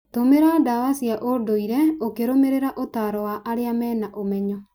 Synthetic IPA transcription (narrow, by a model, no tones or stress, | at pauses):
tomeɾadawasiaʔodoiɾɛokeɾomeɾeɾaʔotaɾɔwaʔaɾeamɛːnaʔomɛɲɔ